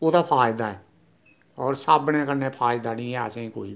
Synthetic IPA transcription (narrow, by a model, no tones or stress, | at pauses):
oːd̪aːpʰaːɪd̪aːɛː | ɔːɾsaːbnẽːkəɾnẽːpʰaːɪd̪aːnɪ̃ːɛːə̰sẽːkoːiː